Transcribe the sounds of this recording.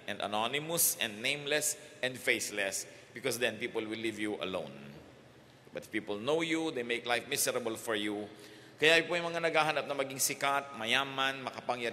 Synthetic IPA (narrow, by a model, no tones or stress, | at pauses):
ʔɛ̃nd̪ɐ̰nanɪmʊsɛ̃nd̪nẽjmlɛsʔɛ̃nd̪fejslɛs | b̥ɪkɔsd̪ɛ̃npiːpolwɪlːivjuʔɐ̰lõ̰w̃n | bɐt̪̚piːpolnowjud̪ejmejklajfmɪsɛɾɐbəlfɔɹju | kɐjajpojmɐŋanɐɡaːɦɐnap̚nɐmɐɡiŋsɪkat̪̚mɐjaːmɐnmɐkɐpɐŋjɐɾ